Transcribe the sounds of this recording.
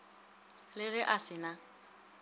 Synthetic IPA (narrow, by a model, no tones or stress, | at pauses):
lɪɣɛʔasɪna